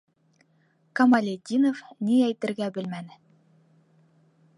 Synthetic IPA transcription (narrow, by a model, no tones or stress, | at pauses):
kɐmalʲed̪ʲinofniæjt̪ɘ̆ɾɡæbɘlmænɘ